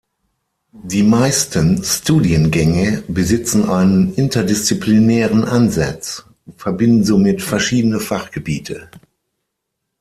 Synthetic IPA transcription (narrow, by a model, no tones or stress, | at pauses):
d̥iːmaɪstʰənstuːdiənɡɛŋəbəzɪt͡sn̩ʔaɪnənʔɪntʰɐdɪst͡siplinɛːʁənʔanza̰t͡s | ʊnfɛɐbɪndn̩zoːmɪtfɛɐʃiːdənəfaχɡ̥əbḭːtʰə